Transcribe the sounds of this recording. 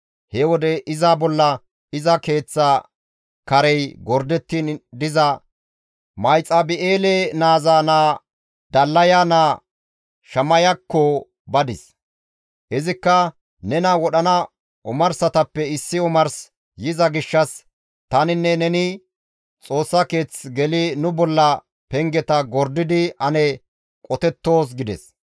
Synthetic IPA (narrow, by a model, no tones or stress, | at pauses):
hɛwɔd̪ɛʔɪzabɔlːɐ | ɪzɐke̞ːt͡sːa | kɐɾɛjɡɔɾd̪ɛt̪ːind̪ɪzɐ | mɐjt͡sʼːɐbɪʔeːlenaːzaːnaː | d̪ɐlːɐjanaː | ʃɐmɐjɐkːɔ | bɐd̪ɪs | hɪzɪkːɐ | nɛnɐwɔɗɐnɐ | ʊmɐɾsɐt̪ɐpːɛɪsːɪɔmɐɾs | jɪzɐɡɪʃːɐs | t̪ɐnɪnːɛnɛnɪ | t͡sʼo̞ːsːɐke̞ːt͡sɡɛlɪnʊbɔlːɐ | pɛŋɡɛt̪ɐɡɔɾd̪ɪd̪ɪɐnɛ | kʼɔt̪ɛt̪ːo̞ːs̬ɡɪd̪ɛ̰s